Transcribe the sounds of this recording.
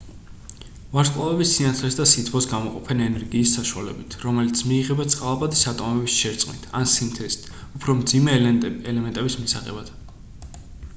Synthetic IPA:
vaɾsqʼavɛbisːinat̪sʰlɛsd̪asit̪ʰvɔsɡamɔqʼɔpʰɛnɛnɛɾɡiːsːaʃua̰lɛ̰bit̪ʰɾɔmɛlit̪sʰmiːʁɛbat̪sʼqʼalˠapʼad̪isat̪ʼɔmɛbisʃɛɾt̪sʼqʼnḭt̪ʰa̰nsimt̪ʰɾɛst̪upʰɾɔmd̪zimɛɛlɛmɛnt̪ʼɛbismisaʁɛ̰bad̪̥

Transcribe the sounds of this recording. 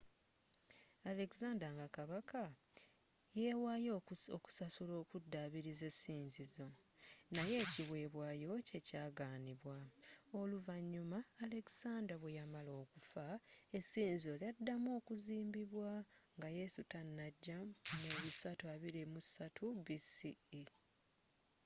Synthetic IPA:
ale̞kzaːndaŋɡakaβaka | je̞ːwaːjooku̥sasulo̞ːkudːaβiɾize̞sːiːɲzizo̞ | naje̞ːciβwe̞ːβwaːjo̞ce̞caːɡaːniβwao̞luvaɲːumaːle̞ki̥saːndɾaβwe̞jamalo̞ːkufae̞sːiːɲzio̞ljadːamo̞ːkuziːmbiβwaŋɡaje̞sutanːaɟːameβisatuaβiɾimusatʰubisii

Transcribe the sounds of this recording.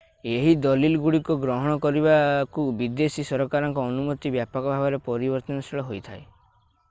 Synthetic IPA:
eɦid̪ɔlilɡuɽikɔɡɾɔɦɔɽ̃ɔkɔɾibakubid̪esisɔɾɔkaɾɔŋkɔːnumɔt̪ibjapɔkɔbʱabɔɾepɔɾibɔɾt̪ɔnɔsiɭɔɦojt̪ʰae

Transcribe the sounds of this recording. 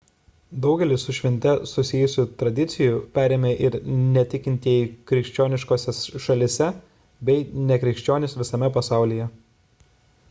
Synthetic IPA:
d̪ɒʊɡʲɛlʲɪsʊʃʲʋʲɪnʲt̪ʲɛsʊsʲɪjʊsʲuːt̪ɾɐd̪ʲɪt̪sʲɪjʊˑpʲæːɾʲeːmʲeːʔɪɾnʲɛt̪ʲɪkʲɪnʲt̪ʲiikɾʲɪkʃʲt͡ʃʲoːnʲɪʃkoːsʲɛsʃɐlʲɪsʲɛ | bʲɛɪnʲɛkɾʲɪkʃʲt͡ʃʲoːnʲɪsʋʲɪsɐmʲɛpɐsɑˑʊlʲijɛ

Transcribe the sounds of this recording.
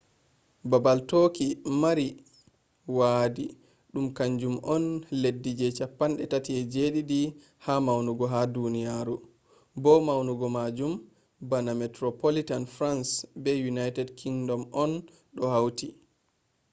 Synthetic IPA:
babaltokimaɾi | waːdi | ɗumkaɲd͡ʒumʔɔnledːid͡ʒɛt͡ʃapːanɗɛtatiɛd͡ʒeɗidi | hamawnuɡɔɦadunijaɾu | bɔmawnuɡɔmad͡ʒum | banamɛtɾɔpolitanfɾansbɛjunajtɛdkʰiŋdɔmɔn | ɗɔhawti

